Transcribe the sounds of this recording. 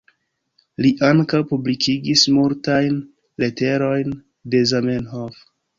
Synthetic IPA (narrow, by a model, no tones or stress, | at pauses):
liʔaŋkawpublikʰiɡismuɾtajn | le̞te̞ɾo̞jn | de̞zamenɦof